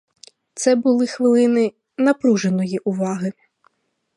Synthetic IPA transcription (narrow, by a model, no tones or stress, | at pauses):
t̪sɛbʊlˠɪxʋɪlˠɪnɪ | nɐpɾuʒenɔjiʔʊʋɑɦɪ